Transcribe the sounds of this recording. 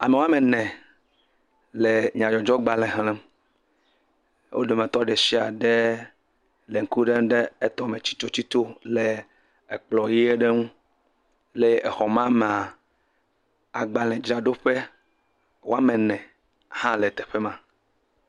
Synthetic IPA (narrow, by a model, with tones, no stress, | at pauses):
a˨me˨wo˦a˦mɛ̃˨nɛ̃˨ | le˨ɲ˨ã˨jɔ˨d͡ʒɔ˦ɡ͡ba˨lɛ̃˨ɦlɛ̃˦m | wʔo̰˦ɖe˨mẽ˨t̪ɔ˦ɖe˨si˦a˨ɖe˦ | le˨ŋ̩˦ku˦ɖe˦m˦ɖe˦e˦t̪ɔ˦˨mẽ˨t͡ɕi̥˦t͡ʃo˦t͡ɕi˦t̪o˦le˨ | e˨k͡plɔ˨ji˦e˦ɖe˦ŋũ˦ | le˦e˨xɔ˨mã˦me˨a˨ | a˨ɡ͡ba˨lɛ̃˨d͡ʒɾa˨ɖo˦ɸe˦ | wo˦a˦mɛ̃˨nɛ̃˨ | hã˦le˨t̪ɛ˨ɸe˦mã˦